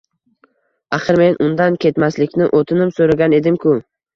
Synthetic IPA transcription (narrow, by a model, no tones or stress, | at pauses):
aχɨɾme̞nʊnd̪ankʲʰe̞t̪maslɪkʲnɪʔot̪ʰɪnɪmsoɾaɡʲane̞d̪ɪmkʰʊ